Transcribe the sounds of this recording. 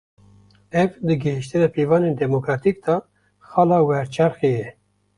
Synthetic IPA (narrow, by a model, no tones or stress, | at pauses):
ɛvd̪ɨɡəɦiʃt̪ɨnɛpʰeːvɑːneːnd̪ɛmokɾɑːt̪iːk̚d̪ɑ | xɑːlɑːwɛɾt͡ʃʰɛɾxeːjɛ